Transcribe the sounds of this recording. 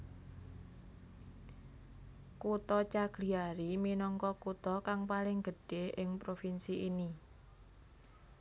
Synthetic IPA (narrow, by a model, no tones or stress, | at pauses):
kut̪ɔt͡ʃaɡ̥liaɾiminɔŋkɔkut̪ɔkaŋpalɪŋɡ̥əɖ̥eʔɪŋpɾofinsiʔini